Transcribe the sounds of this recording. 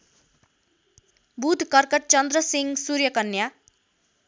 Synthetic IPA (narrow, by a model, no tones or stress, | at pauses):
bud̪ʱkʌrkʌʈ̚t͡sʌnd̪rʌsiŋɡsuɾjʌkʌnja